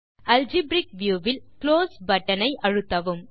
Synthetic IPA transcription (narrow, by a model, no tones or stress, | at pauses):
ɐld͡ʒibɾɪk̚ʋjuːʋɪlkloːsbɐʈːɐnɐɪʔɐɻɯt̪ːɐʋɯm